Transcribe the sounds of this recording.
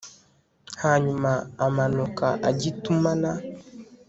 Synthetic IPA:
haɲumaamanɔkaʔaɟitumana

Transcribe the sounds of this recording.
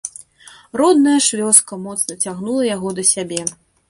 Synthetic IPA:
ɾɔd̪̚nɐjɐʂvʲɔskɐmɔt̪snɐt͡sʲaɣnulˠɐjaɣɔd̪ɐsʲabʲɛ

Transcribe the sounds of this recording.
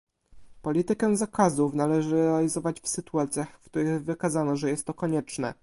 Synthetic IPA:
pɔlʲit̪ɘkɛ̃zakazufnalɛʐɘɾɾɛalʲizɔvat͡ɕfsɘt̪uat̪sʲjaxfkt̪uɾɘɣvɘkazanɔʐɛjɛst̪ːɔkɔɲɛt͡ʂnɛ̰

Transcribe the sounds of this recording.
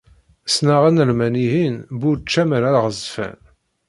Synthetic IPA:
snaʁænəɾmæniɦinbuɾt͡ʃːæməɾæɾʁəzfæ̰n

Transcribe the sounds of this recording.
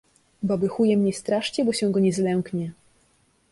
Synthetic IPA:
babɘxujɛmɲɛst̪ɾaʂt͡ɕɛbɔɕɛ̃w̃ɡɔɲɛzlɛŋkɲɛ

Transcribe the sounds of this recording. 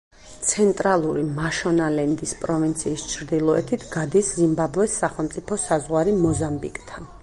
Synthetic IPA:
t̪sʰɛnt̪ʼɾalˠuɾimaʃɔnalɛnd̪ispʼɾɔvint̪sʰiːst͡ʃʰɾd̪ilˠɔɛt̪ʰit̪ʰɡad̪iszimbabuɛsːaχɛlˠmt̪sʼipʰɔsazʁwaɾimɔzambikʼt̪ʰan

